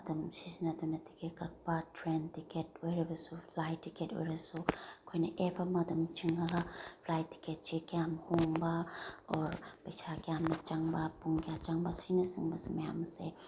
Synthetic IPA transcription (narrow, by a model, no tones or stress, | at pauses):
adɐmsisinadɔnatʰi̥kekak̚patʰɾentiketojɾebɐsupʰlajtiketo̰jɾasukʰojnaʔebamadumt͡ʃiŋapʰlajti̥ket̚t͡ʃikijamhoŋbaɔɾpɐjsakijamnat͡ʃaŋbapuŋkijat͡ʃaŋbasinasɯŋbasumɐjamsḛ